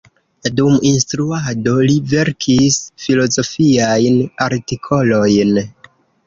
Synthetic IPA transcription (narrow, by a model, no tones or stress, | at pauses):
duminstɾuado̞live̞ɾkʰisfilo̞zo̞fiajnaɾtikʰo̞lo̞jn